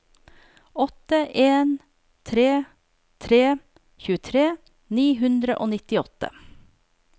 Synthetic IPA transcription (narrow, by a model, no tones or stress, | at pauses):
ɔt̪əʔeːn | t̪ʰɾeː | t̪ʰɾeː | çʉːət̪ʰɾeː | niːɦʉnd̪ɾəʔoːnɪt̪ɪɔt̪ə̰